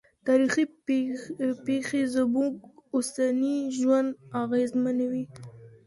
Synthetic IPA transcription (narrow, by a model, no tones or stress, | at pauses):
t̪ɑɾixi | pexezəmuɡʊsaniʒwand̪aɣezmanawi